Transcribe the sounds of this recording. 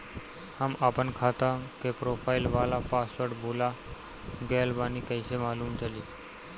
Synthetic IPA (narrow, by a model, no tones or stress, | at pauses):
hamapəɳkʰat̪ãkepɾofailʋalapasʋəʈbʱola | ɡelbanikəjɕemaːluːmt͡ɕəli